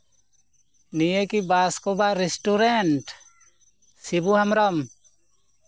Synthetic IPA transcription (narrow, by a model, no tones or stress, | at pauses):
nijəkibaskɔbaɾɛsʈuɾɛnʈ | sibuhamɾɔm